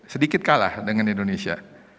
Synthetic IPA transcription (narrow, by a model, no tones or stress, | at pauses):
sədikɪt̪̚kala̰hdəŋanindonesia̰